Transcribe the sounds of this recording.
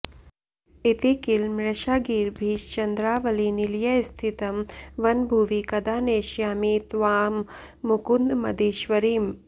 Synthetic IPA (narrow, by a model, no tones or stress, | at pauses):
it̪ikilmɾɐʃaːɡiːɾbʱiːʃt͡ʃɐnd̪ɾaːʋɐliniljɐst̪ʰit̪ɐmʋɐnbʱuʋikɐd̪aːneːʃjaːmit̪ʋaːmː | ukund̪mɐd̪iːʃʋɐɾiːm